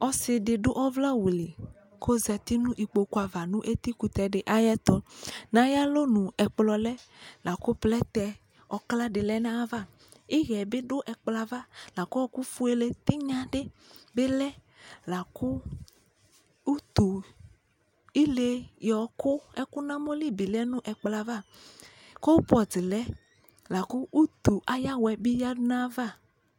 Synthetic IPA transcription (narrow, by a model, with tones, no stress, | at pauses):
ɔ˦se˨ɖe˨ɖo˦ʔɔ˦vla˦wu˨le˨ | kʰo˦zɛ˨t̪i˦nũ˦ʔi˨k͡po˨ku˦a˨va˨nũ˦ʔe˦t̪i˦ku˨t̪ɛ˨ɖe˨ʔa˦jɛ˦t̪ɔ˦nã˦ja˦lo˦nũ˨ɛ˨k͡plɔ˨lɛ˦la˨ko˦plɛ˦t̪ɛ˨ | ɔ˨kla˦ɖe˨lɛ˦nã˦va˦ | e˦ɣɛ˨be˦ɖo˦ʔɛ˨k͡pla˨va˦la˨ko˦ɔ˦ku˦fu˦e˦le˦t̪i˦ɲã˦ɖe˦be˦lɛ˦ | la˨kʊ˦ | u˦t̪u˨ | i˦le˨˦jɔ˨kʊ˦ɛ˦kʊ˦nã˦mo˦li˦bi˨lɛ˦nʊ̃˦ʔɛ˨k͡pla˨va˦˨ | ko˦wpɔ˨d͡zɪ˨lɛ˦ | la˨ku˦u˦t̪u˨ʔa˨ja˦wɛ˨bi˦ja˦dʊ˦nã˦va˦˨